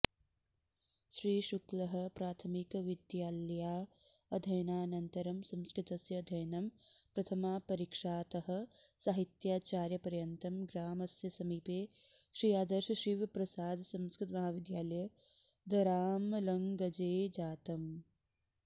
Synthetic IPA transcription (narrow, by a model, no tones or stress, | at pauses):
ʃɾiːʃuklɐɦɐ̆pɾaːt̪ʰɐmikʋid̪jaːljaː | ɐd̪ʱɐjnaːnɐnt̪ɐɾɐmsɐ̃mskɾɪt̪ɐsjɐːd̪ʱɐjnɐmpɾɐt̪ʰɐmaːpɐɾikʂaːt̪ɐɦɐ̆saːɦit̪jaːt͡ʃaːɾjɐpɐɾjɐnt̪ɐmɡɾaːmɐsjɐsɐmiːpeː | ʃɾiːaːd̪ɐɾʃɐʃiʋɐpɾɐsaːd̪sɐmskɾɪt̪mɐɦaːʋid̪jaːlɐjɐ | d̪ʱɐɾaːmlɐŋɡɐd͡ʒeːd͡ʒaːt̪ɐm